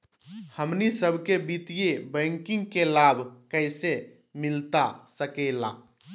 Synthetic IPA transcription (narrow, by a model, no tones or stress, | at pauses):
həmnisəbʱkebit̪ijebə̃ŋkĩŋɡkelabʱkəɪse | milt̪asəkɛla̰